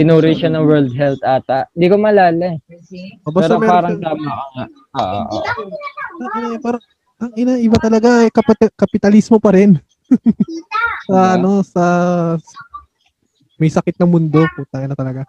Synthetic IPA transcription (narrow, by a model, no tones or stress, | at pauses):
ɪnuːɾɪʃɐnɐŋwɛɹld̪̚ɦɛlt̪aːt̪aʔɪnd̪iːkomɐlaːlɛʔobɐɛɾɐmɛpaːɾɐŋt̪aːmakɐŋa | ʔoːʔo̰ʔo̰ʔ | ɐɪapaːɾɐŋ | ʔɐŋɪnaʔɪbat̪ɐlɐɡaʔɛkɐpɐkɐpɪt̪ɐlismo̞pɐɾɛn | sɐʔɐno̞sɐ | mɐjsɐkɪt̪̚nɐŋmʊnd̪o̞put̪ɐŋɪnɐt̪ɐlɐɡa